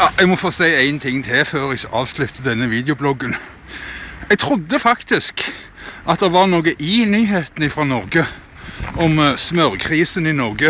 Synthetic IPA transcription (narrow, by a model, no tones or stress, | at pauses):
ɑɛɡmɔfoːsæɪæɪnt̪ʰɪŋːt̪ʰɪføːɾɛsʔɑːʋslʉt̪ːəd̪ɛnːəʋiːd̪ɛʊblɔɡːən | ɛɡ̚t̪ʰɾʊd̪ːəfɑkt̪ɪsk | ʔɑt̪̚d̪ɛʋɑʁnoːɡəʔɪnyːɦeːt̪n̩ɪfɾʁɑːnɔʁɡə | ɔmsmœʁkʰʁiːsənɪnɔʁɡə